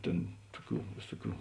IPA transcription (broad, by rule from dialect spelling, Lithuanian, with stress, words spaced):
ˈtʲeːn ˈtʊˌkʲuː ˈʋʲeːsʊˌkʲuː